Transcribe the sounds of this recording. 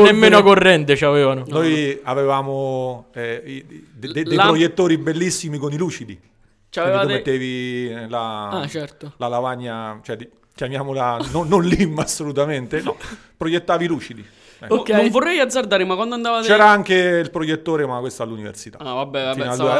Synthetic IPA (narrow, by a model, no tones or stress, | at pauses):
nemːeːnoakorːɛnt̪̬et͡ʃaveːvanonnojavevaːmoɛi | d̪deejpɾojet̪ːoːɾibelːisːimikoniluːt͡ʃid̪ḭ | kt͡ʃaveiakomːet̪ːeːvilaat͡ʃɛɾt̪olalavaɲːat͡ʃoɛ | kjamjaːmolanonːonlimːasːolut̪ament̪enpɾojet̪ːaːviluːt͡ʃid̪i | ɛkːnõvorːɛjad̪zːard̪aːɾemakːwand̪oand̪avat̪t͡ʃɛːɾaaŋk̟eilpɾojet̪ːoːɾemakwest̪oalːunivḛrsit̪a̰avabːɛafinala